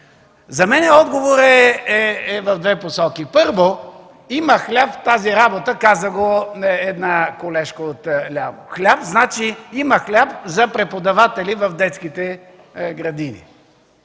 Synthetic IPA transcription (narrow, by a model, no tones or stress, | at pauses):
zɐmɛnɛɔd̪ɡovoɾɛɛɛvɐvd̪vɛposɔkipɤɾvo | imɐxlʲapft̪aziɾabot̪əkazəɡoɛd̪nakolɛʃkəot̪lʲavo̰xlʲapznat͡ʃiimɐxlʲapzɐpɾɛpod̪ɐvat̪ɛlivɐvd̪ɛt̪skit̪ɛ | ɡɾɐd̪inḭ